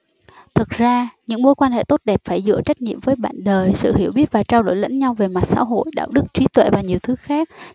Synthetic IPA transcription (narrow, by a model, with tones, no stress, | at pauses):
t̪ʰɨ˨˩k̚zaː˧ɲɨ̰˧˥ŋmu˧jkwaː˧nhḛ˧˨t̪o˦˥t̚ɗɛ˨˩p̚faː˧˩jzɨ̰˧˨ət͡ɕa˦˥k̟̚ɲḭ˧˨əmvəː˨˦jɓa̰ː˧˨nɗəː˨˩jsɨ̰˧˨hi˧˩əwɓi˦˥ət̚vaː˨˩t͡ɕaː˧wɗo̰˧˩jlə̰˧˥nɲa˧wve˨˩ma˨˩t̚sa̰ː˧˥ɦo̰˧˨jɗa̰ː˧˨wɗɨ˦˥k̚t͡ɕwi˨˦t̪wḛ˧˨vaː˨˩ɲi˨˩əwt̪ʰɨ˨˦xaː˦˥k̚